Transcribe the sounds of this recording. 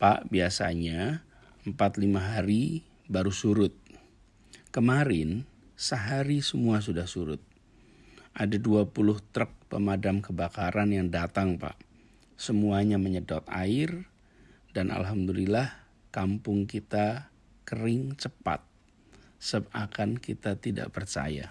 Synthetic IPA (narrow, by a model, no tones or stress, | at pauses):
pa̰ʔbiasa̰ɲa | əmpat̪limaɦaɾi | baɾusuɾʊt̪̚ | kəmaɾɪn | səɦaɾisəmuas̬udahsuɾʊ̰t̪̚ | ʔadaduapulʊht̪ɾək̚pəmadamkəbakaɾʔanjaŋdat̪aŋpa̰ʔ | səmuaɲaməɲədɔt̪a̰ɪr | danʔa̰lɦamd̪ulilah | kampʊŋkit̪a | kəɾɪŋt͡ʃəpa̰t̪̚ | səp̚akankit̪at̪ida̰ʔpərt͡ʃa̰ja̰